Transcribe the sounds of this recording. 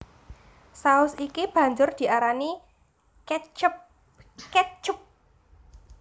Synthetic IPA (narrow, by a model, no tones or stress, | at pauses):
saʊsikib̥ä̤ɲd͡ʒʊrd̪̥i̤aɾani | p | kɛt͡ʃʊp̚